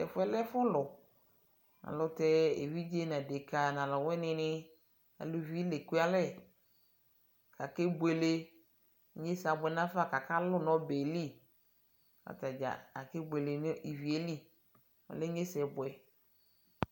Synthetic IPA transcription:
ɛ˨fɛ˨˦lɛ˦fʊ˦lʊ˨ | nã̰˨lʊ˨tɛ˦ḛ˨vi˦d͡ʒe˦n˨ã˨de˨ka˨nã˨lɔ˨wɛ˦nɪ̃˦nɪ̃˦ | a̰˨lu˨vi˦le˨ku˦a˨˦lɛ˦˨ | ka˨ke˦be˨le˦ | ɲe˦sa˨bʊ˨ɛ˨nã˦fa˦˨ka˨ka˦lʊ˦nɔ̃˦be˨li˦ | ka̰˨ta˨d͡ʒa̰˨a˨ke˦be˨le˨n˦i˨vi˨e˦li˦ | ɔ̰˨le˦ɲe˦sɛ˨bʊ˨ɛ˨

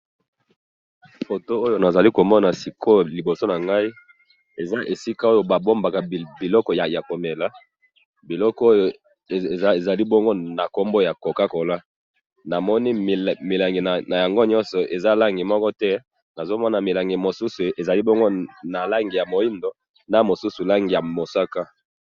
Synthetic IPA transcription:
fo˨to˦o˦jo˦na˨za˨li˦ko˨mɔ˦na˨si˨kʰo˦li˨bo˨so˦na˨ŋɡa˦i˦ | e˨za˦ʔe˨si˦ka˦o˦jo˨ba˨bo˦mba˨ka˨bi˨lɔ˦kɔ˨ja˨ja˨ko˨me˨la˦ | bi˨lɔ˦kɔ˦o˦jo˨˦ | e˨za˨li˦bɔ˦ŋɡo˦na˨ko˦mbo˦ja˨ko˨ka˦ko˨la˦ | na˨mɔ˦ni˦˨mi˨la˨ŋɡi˨na˨na˨ja˨ŋɡo˦ɲɔ˦nsɔ˨ʔe˨za˦la˦ŋɡi˨mɔ˦kɔ˦tɛ˦ | na˨zo˦mɔ˦na˨mi˨la˨ŋɡi˨mo˨su˦su˨e˨za˨li˦bɔ˦ŋɡo˦na˨la˦ŋɡi˨ja˨mo˨i˦ndo˨ | na˦mo˨su˦su˨la˦ŋɡi˨ja˨mo˨sa˦ka˦

